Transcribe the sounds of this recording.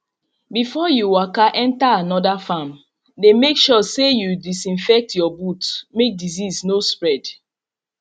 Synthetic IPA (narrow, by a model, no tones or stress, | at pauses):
bifɔjuwakaʔɛ̃ntaanɔdafam | demekʃɔsejudisĩnfɛk̚tjɔbutmek̚diziznospɹɛd